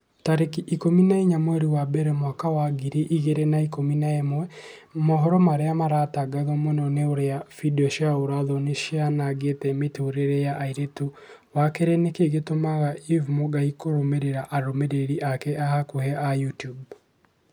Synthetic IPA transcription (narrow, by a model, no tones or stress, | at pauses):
taɾekiʔikominaiɲamwɛɾiwabɛɾɛmwakawaɡiɾiʔiɣeɾenaikominaɛmwɛ | mɔɦɔɾɔmaɾeamaɾataɡaðɔmwɛnɔneoɾeafidiɔʃaoɾaðɔneʃeanaɡetɛmetooɾeɾejaʔaiɾeto | wakeɾɛnekeɣetomaɣaivmoɡaikoɾomeɾeɾaʔaɾomeɾeɾiʔakɛʔahakohɛajutjub